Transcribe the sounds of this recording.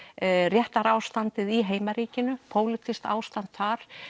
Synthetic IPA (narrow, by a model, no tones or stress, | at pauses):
rjɛht̪aɾaːwst̪ant̪ɪðiɦeːjmaɾiːcɪnʏpʰoːwlɪt̪ʰist̪a̰ːwst̪ant̪faɾ̥